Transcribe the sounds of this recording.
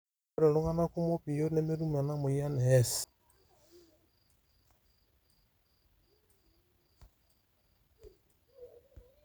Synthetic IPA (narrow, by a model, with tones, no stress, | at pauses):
ɾe˨lu˦ŋa˦na˦ku˦mo˦pi˨jo˦ne˦me˦ɾu˦ma˨na˦mo˨ja˦ne˨ɛ˦s